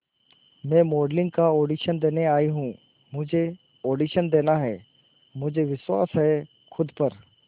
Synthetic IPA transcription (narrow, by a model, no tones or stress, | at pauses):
mɛ̃ːmoːɖlɪ̃ŋɡ̚kaoːɖiːʃənd̪eːneaːiɦũː | mʊd͡ʒʱe | oːɖiːʃənd̪eːnaɦɛː | mʊd͡ʒʱeʋɪʃswa̰ːsɦɛː | xʰʊd̪pəɾ